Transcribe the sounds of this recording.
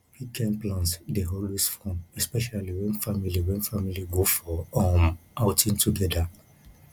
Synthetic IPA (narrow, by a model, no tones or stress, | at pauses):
hikʰɛ̃mplãnsdeɦɔlwisfɔ̃mɛspɛʃaliwɛ̃nfamiliwɛ̃nfamiliɡofɔɔ̃maʊtʰĩntʰuɡɛda